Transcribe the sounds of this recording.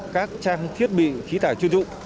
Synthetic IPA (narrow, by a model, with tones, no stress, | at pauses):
kaː˦˥k̚t͡ɕaː˧ŋt̪ʰi˦˥ət̚ɓḭ˧˨xi˨˦t̪ʰaː˧˩t͡ɕu˧nzʊ̰˧˨ŋ͡m